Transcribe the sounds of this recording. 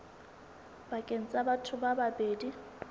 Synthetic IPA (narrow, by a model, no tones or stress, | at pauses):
bakʼen̩t͡sʼabatʰʊbababeːdi